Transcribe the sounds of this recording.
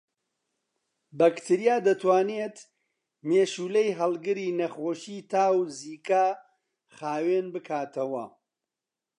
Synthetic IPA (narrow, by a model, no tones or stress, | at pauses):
bɐkt̪ʰɨɾijaːd̪ɐt̪ʰwaːnet̪ | meːʃuːlejɦɐlˠɡɨɾiːnɐχoːʃiːt̪ʰaːwziːkaː | χaːwenbɨkʰaːt̪ʰɐwɐ̰